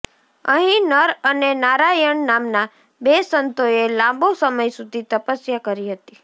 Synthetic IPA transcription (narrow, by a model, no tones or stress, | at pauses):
ə̰ɦĩnəɾənenaɾajəɳnamna | besənt̪oelãmbosəməjsud̪ʱit̪əpəsjakəɾiɦət̪i